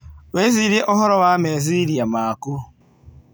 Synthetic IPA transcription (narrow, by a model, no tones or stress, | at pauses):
weziɾɪʔɔɦɔɾɔwameziɾiamaaku